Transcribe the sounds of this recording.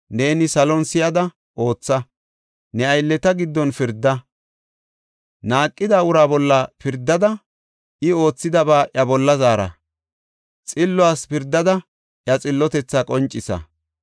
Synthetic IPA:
ne̞ːnɪsɐlɔnsɪjɐd̪ɐ | ʔo̞ːt͡sːɐ | nɛɐjlːɛt̪ɐɡɪd̪ːɔnfɪɾd̪ːɐ | naːkʼːɪd̪aːʊɾaːbɔlːɐfɪɾd̪ːɐd̪ɐ | ʔɪo̞ːt͡sːɪd̪ɐbaːʔɐbɔlːɐzaːɾɐ̰ | t͡sʼɪlːʊaːspɪɾd̪ːɐd̪ɐ | ʔjɐt͡sʼɪlːɔt̪ɛt͡sːɐkʼɔnt͡ʃʼːɪsɐ̰

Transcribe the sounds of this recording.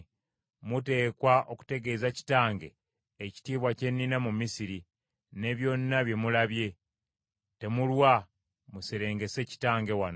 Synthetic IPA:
mute̞ːkwaʔo̞ku̥te̞ɡe̞ːzaci̥taːŋɡe̞̰ | eci̥tiːβwace̞nːinamumisiɾi | ne̞βjo̞ːnːaβje̞mulaβje̞ | te̞mulwa | museɾe̞ːŋɡe̞se̞ci̥taːŋɡe̞wan

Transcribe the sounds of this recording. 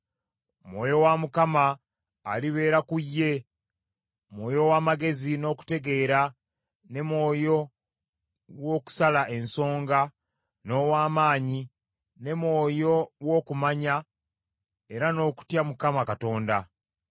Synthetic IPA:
mwo̞ːjo̞wamukamaː | liβe̞ːɾakujːe̞ | mwo̞ːjo̞waːmaɡe̞zino̞ːku̥te̞ɡe̞ːɾa | ne̞mwo̞ːjo̞ | wo̞ːku̥salaʔe̞nso̞ːŋɡa | no̞ːwaːmaːɲi | ne̞mwo̞ːjo̞wo̞ːkumaɲa | e̞ɾano̞ːku̥tjamukamakato̞ːnda

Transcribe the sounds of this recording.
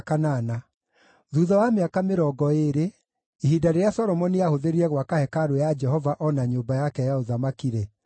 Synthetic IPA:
kanana | ðuːðɔwameakameɾɔːɡɔeɾe | iɦidaɾejasɔɾɔmɔniahoðeɾiɛɣwakahɛkaɾojad͡ʒɛɦɔvaʔɔnaɲoːbajakɛjaoðamakiɾɛ

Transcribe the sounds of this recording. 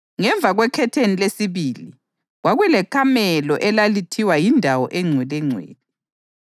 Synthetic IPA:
ŋɛɱb̪vʱaɣwɛkʰɛtʰenilesiβiːli | ɣwaɣwɛlɛkʰamɛlɔʔɛlalitʰiwajindʱawɔʔɛŋ͡ǀʱwɛlɛŋ͡ǀʱwḛːli

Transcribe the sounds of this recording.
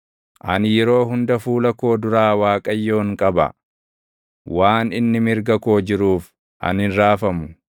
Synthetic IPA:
ʔɐnjɛɾo̞ːɦʊnd̪ɐfuːlɐko̞ːd̪ʊɾaːwaːkʼɐjːo̞ːŋkʼɐbɐ̰ | waːnɪnːɪmɪɾɡɐko̞ːd͡ʒɪɾuːf | ʔɐ̰nɪnɾaːfɐmʊ

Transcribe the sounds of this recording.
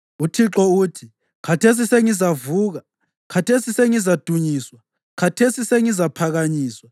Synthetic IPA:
utʰiǁɔuːtʰi | kʰatʰes̬iseŋizavuːɣa | kʰatʰesiseŋizad̥ʱuɲiːswa | kʰatʰesiseŋizapʰaɣaɲiːswa

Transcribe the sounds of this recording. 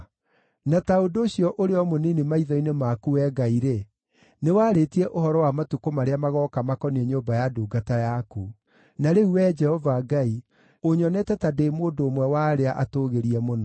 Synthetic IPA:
nataodoːɕjɔʔoɾeɔmoninimaiðɔinemakuɛɡaiɾe | newaːɾetiɛʔoɦɔɾɔwamatukomaɾeamaɣɔkamakɔniɛɲoːmbajaduːɡatajaku | naɾeuwɛd͡ʒɛhɔvaɡai | oɲɔnɛtɛtadeːmoːndoːmwɛwaɾeaʔatoːɣeɾiɛmonɔ

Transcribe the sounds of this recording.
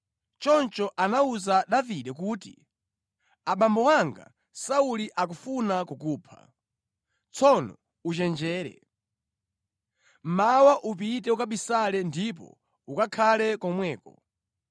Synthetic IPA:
t͡ʃɔnt͡ʃɔʔanauzaɗaviɗɛkuːtḭ | aɓambɔwaŋɡa̰ | sauliʔakufunakukuːpʰa̰ | t͡sʰɔnɔ̰ | ut͡ʃɛnd͡ʒɛːɾɛ̰ | mawaʔup̬itɛukaɓisalɛndip̬ɔ̰ | ukakʰalɛkɔmwɛːkɔ

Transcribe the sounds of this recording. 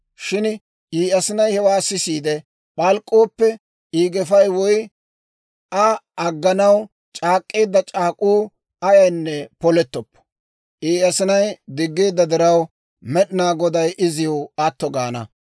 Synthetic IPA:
ʃɪn | ʔiːɐsɪnɐjhɛwaːsɪsiːd̪ɛ | ɓɐlkʼːo̞ːpːɛ | iːɡɛfɐjwɔj | ʔɐɐɡːɐnɐw | t͡ʃʼaːkʼːe̞ːd̪ːɐt͡ʃʼaːkʼuː | ɐjɐjnːɛpɔlɛt̪ːɔpːɔ̥ | ʔiːɐsɪnɐjd̪ɪɡːeːd̪ːɐd̪ɪɾɐw | mɛɗɪnaːɡɔd̪ɐjʔɪzɪjɔwɐt̪ːɔɡa̰ːnɐ̰

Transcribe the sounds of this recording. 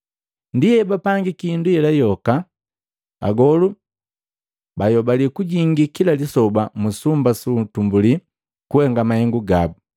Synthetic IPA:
ndijɛbapaŋɡikindujɛlajɔka | a̰ɡɔlu | bajɔbalikuɟiŋɡikilalisɔbamusumbasutumbuli | kuhɛŋɡamahɛŋɡuɡabu

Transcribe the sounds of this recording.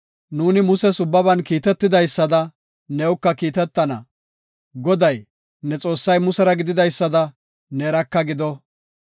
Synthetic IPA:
nuːnɪmʊsɛsʊbːɐbɐnkiːt̪ɛt̪ːɪd̪ɐjsːɐd̪ɐ | nɛʊkːɐkiːt̪ɛt̪ːɐnɐ̰ | ɡɔd̪ɐj | nɛt͡sʼo̞ːsːɐjmʊsɛɾɐɡɪd̪ɪd̪ɐjsːɐd̪ɐ | nɛːɾɐkːɐɡɪd̪ɔ

